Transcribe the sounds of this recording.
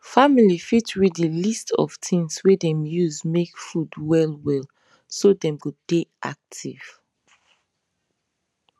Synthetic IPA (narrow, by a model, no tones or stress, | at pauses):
familifitɹidəlistɔ̰v̥tʰĩŋswɛdɛ̃mjuzmekfudwɛlwɛl | sodɛ̃mɡudeʔa̰k̚tʰiv̥